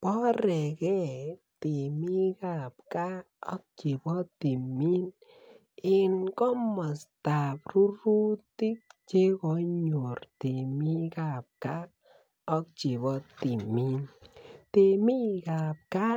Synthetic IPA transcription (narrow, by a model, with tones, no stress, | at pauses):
pɔ˦ɾe˨ɡe˦ | t̪i˨mi˦ɡa˧˨p̚ka˦ | ɔ̰˦k̚t͡ʃi˨bɔ˦t̪i˨mi˦n | i˧nkɔ˦ma˨st̪a˨bɾu˦ɾu˦t̪i˦k̚t͡ʃe˦ɡo˧˦ɲo˨ɾt̪i˨mi˦ɡa˧˨p̚ka˦ | ɔ˦k̚t͡ʃi˨bɔ˦t̪i˨mi˦nt̪e˧mi˦ɡa˨p̚ka˦